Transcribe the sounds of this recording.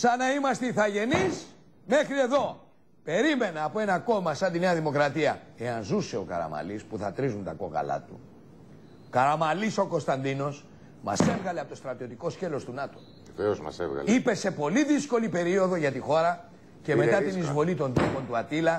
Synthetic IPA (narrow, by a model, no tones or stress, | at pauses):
sɐnɐimɐst̪eiθɐʝe̞nis | me̞xɾie̞ðo̞ | pe̞ɾime̞nɐːpoe̞nɐko̞mɐsɐnd̪ine̞ɐðimo̞kɾɐt̪iɐe̞ɐnzuse̞o̞kɐ̰ɾɐ̰mɐ̰lispuθɐt̪ɾizunt̪ɐko̞̰ɣɐ̰lɐ̰t̪u | kɐɾɐmɐliso̞ko̞st̪ɐnd̪ino̞s | mɐ̰se̞vɣɐleɐpot̪o̞st̪ɾɐt̪io̞t̪iko̞sce̞lo̞st̪unɐt̪o̞̥ | eveozmɐ̰sḛvɣɐ̰ipe̞se̞po̞liðisko̞lipe̞ɾio̞ðo̞ʝɐt̪ixo̞ɾɐ | ce̞me̞t̪ɐt̪inizvo̞lit̪o̞nd̪ɾopo̞nt̪uɐt̪ilɐ